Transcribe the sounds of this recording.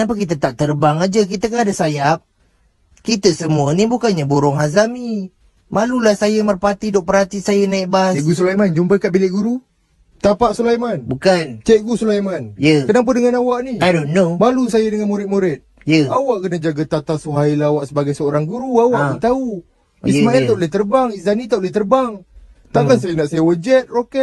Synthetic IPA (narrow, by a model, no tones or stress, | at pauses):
nap̬akit̪̬ət̪aʔt̪ərbaŋad͡ʒək̬it̪ak̬anadasajap̚ | kit̪əsəmuənibukanɲaboɾʊŋɦazami | malulahsajəmərpat̪idɔʔpəɾat̪isajənaiʔbaseʔɡus̬ulajmand͡ʒumpəkaʔbilɪʔɡuɾu | t̪apaʔsulajmanbukant͡ʃɛʔɡusulajmanjəkənap̬ədəŋanawaʔniajdonːobalusajədəŋanmuɾɪt̪̚muɾɪt̪̚ | jəawaʔkənad͡ʒaɡat̪at̪asuɦailawaʔsəbaɡajsəoɾaŋɡuɾuawaʔənt̪au | imanat̪awʔləht̪ərbaŋizanit̪awʔleht̪ərbaŋ | t̪akansajənaʔsajəwəd͡ʒɛt̪̚rokɛt̪̚